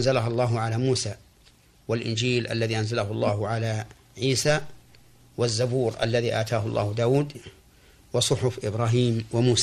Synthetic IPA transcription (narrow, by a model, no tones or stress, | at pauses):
nzalaɦalˤːɑːɦʊʕalaːmuːsaː | walʔɪ̰nd͡ʒiːlʔa̰lːaðiːʔanzalaɦʊlˤːɑːɦʊʕala | ʕiːsaː | wazːabuːɾʔa̰lːaðiːʔaːt̪ʰaːɦʊlˤːɑ̰ːhʊd̪aːwuːd̪ | wɑsˤʊħʊfʔɪbɾˤaːɦiːmwɪmuːs